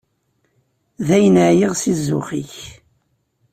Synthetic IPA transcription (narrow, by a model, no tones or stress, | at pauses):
ðæjənəʕjiʁsizːʊ̰χiç